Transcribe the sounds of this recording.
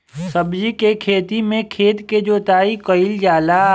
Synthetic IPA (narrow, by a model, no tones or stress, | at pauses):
səbd͡ʒikekʰeːt̪imẽkʰeːt̪ked͡ʒoːt̪aːikəɪld͡ʒaːla